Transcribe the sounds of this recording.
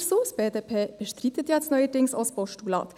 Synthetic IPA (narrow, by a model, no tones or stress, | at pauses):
ɾsuspeːd̪eːpʰeːb̥əʃt̪ɾɪt̪ət̪jɛt̪snœʏəʈɪŋsoːsbɔʃʈuːlɑ̰ːt̪